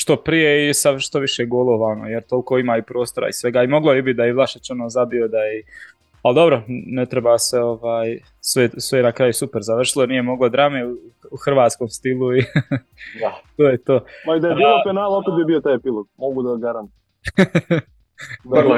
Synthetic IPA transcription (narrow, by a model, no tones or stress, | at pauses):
ʃt̪o̞pɾije̞isaʃt̪o̞ʋiʃeɡolˠoʋaːnojeɾt̪o̞lkoimaːipɾo̞ːst̪oɾa̰isʋeɡaːimo̞ɡlˠojibit̪̚d̪ajiʋlˠaʃet͡ʃonoːzabiod̪ai | ald̪o̞bɾo̞net̪ɾebaːseo̞ʋaːj | sʋesʋejenakɾajusupeɾzaʋr̩ʃilˠo̞nije̞mo̞ɡlad̪ɾameuuxrʋaːt̪skoːmst̪ilˠui | at̪oːjet̪oːmaid̪ajedbilopenaːlˠakobibiot̪aːjepilˠoɡmoɡud̪aɡaɾant̪o